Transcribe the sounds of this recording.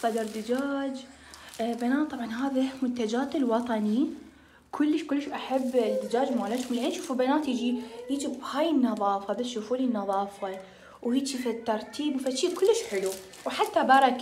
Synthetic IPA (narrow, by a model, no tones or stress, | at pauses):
sˤɑd̪ɑɾˤd̪ɪd͡ʒaːd͡ʒ | banaːt̪t̪ˤɑbʕɑnɦaːðamʊnt̪ad͡ʒaːt̪ɪlwɑt̪ˤɑni | kʰʊlːɪʃkʊlːʃʔaħabːd̪ɪd͡ʒaːd͡ʒmalat̪hʊmlʔanʃuːfubanaːt̪jɪd͡ʒijid͡ʒibhaːjɪnːɑðˤɑːfaːðaʃːuːfuːlinːɑðˤɑːfa | whiːt͡ʃifat̪ːɑɾˤt̪ʰiːbwfat͡ʃːiːkʊlːɪʃħɪlu | wħat̪ːabɑɾˤɑk